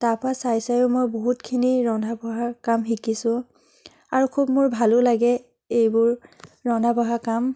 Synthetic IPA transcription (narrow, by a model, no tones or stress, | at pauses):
taɹpɔɹasajsajʊmojboɦutkʰiniɹɔndʱabʱɔɦakamɦikisʊ̃ | aɹukʰubmʊɹbʱalʊlaɡɛ | ejbʊɹːɔndʱabʱɔɦakam